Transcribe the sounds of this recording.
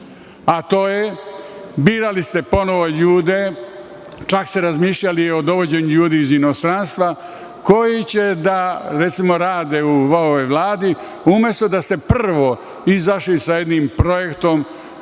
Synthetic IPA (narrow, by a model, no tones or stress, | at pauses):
at̪o̞ːje | biːɾalist̪e̞po̞no̞ʋo̞ʎuːd̪e | t͡ʃakst̪eɾazmiːʃʎalio̞d̪o̞ʋo̞d͡ʑeɲuʎuːd̪iːzino̞st̪ɾanst̪ʋa | ko̞jit͡ɕe̞d̪aɾet̪simo̞ɾaːd̪euʋooʋojʋlˠaːd̪i | umje̞st̪o̞d̪ase̞pr̩ʋo̞ | izaʃlisaje̞d̪niːmpɾo̞je̞kt̪o̞m